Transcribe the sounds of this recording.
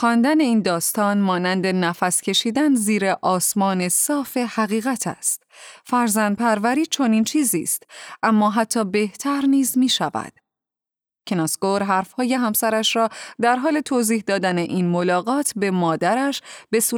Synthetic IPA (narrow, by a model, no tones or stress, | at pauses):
xɒːnd̪æne̞iːnd̪ɒːst̪ɒːnmɒːnænd̪e̞næfæscʲʰe̞ʃiːd̪ænziːɾeʔɒːsmɒːne̞sɒːfe̞hæɣiːɣæt̪ʰæ̰st̪fæɾzænd̪̚pʰæɾvæɾiːt͡ʃʰo̞niːnt͡ʃʰiːziːst̪ʔæmːɒːɦæt̪ʰːɒːbe̞ht̪ʰæɾniːzmiːʃævæ̰d̪̥ | cʰenɑskoɾɦæɾfhɒːje̞ɦæmsæɾæʃɾɒːd̪æɾɦɒːle̞t̪ʰoːziːhd̪ɒːd̪æneʔinmo̞lɒːɣɒːt̪ʰbe̞mɒːd̪æɾæʃbe̞suː